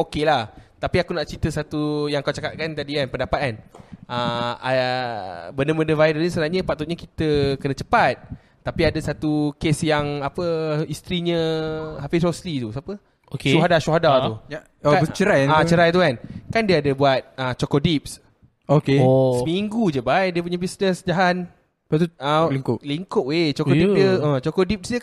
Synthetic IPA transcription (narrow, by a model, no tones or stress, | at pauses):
okelaht̪apiakunaʔt͡ʃit̪əsat̪ujaŋakawt͡ʃakaʔ̪̚kant̪adikanpəndapat̪anəa | bəndəməndəvajdənisəənaɲəpak̚t̪ut̪̚ɲakit̪əkənə̃t͡ʃəpat̪̚ː | apiadəsat̪ukesjaŋapəist̪ɾiɲə̃ɦafishoslit̪usapə | okeuɦadaʃuɦadau | ot͡ʃəɾajat͡ʃəɾajt̪ukankandiəadəbuat̪̚ət͡ʃɔkɔʔdip̚s | okosəmiŋɡud͡ʒəbajdiəp̬uɲabisnəsd͡ʒaɦan | p̪uəliŋkoʔliŋkoʔet͡ʃɔkɔipdiəət͡ʃɔkɔdip̚sdiə